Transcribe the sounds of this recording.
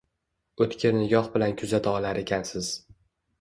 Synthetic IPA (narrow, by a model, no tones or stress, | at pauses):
ɵt̪kʲʰɪɾnɪɡɒhbɪlankʰʊzat̪ʰaɒlaɾekʲʰansɪz̥